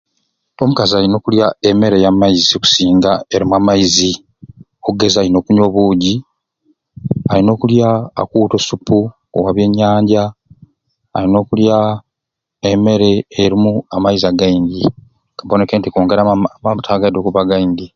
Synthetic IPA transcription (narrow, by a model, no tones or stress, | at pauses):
o̞mukazialino̞ːkuljaeme̞ɾe̞jamaiziku̥siːŋɡaeɾimuamajizi | oɡe̞zaːɾino̞ːkuɲo̞βuːɟi | aɾino̞ːkulja̰ːkuːto̞supːu | o̰waβje̞ɲːaːɲɟa | a̰ɾino̞ːkulja | eme̞ɾe̞ːɾimuamaizaɡaindi | ŋɡaβo̞ne̞keːntikoːŋɡeɾamambutʰaɡado̞kuβaɡaindi